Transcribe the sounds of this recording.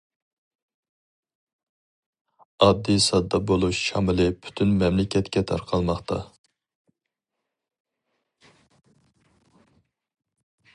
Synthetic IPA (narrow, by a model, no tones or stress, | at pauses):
ɑd̪ːisɑd̪ːɑbolˠuʃʃɑmɪlɪpʰy̥t̪ʰynmɛmlɪkʲʰɛt̪kʲɛt̪ʰɑ̰ɾqʰɑlˠmɑχt̪ɑ̰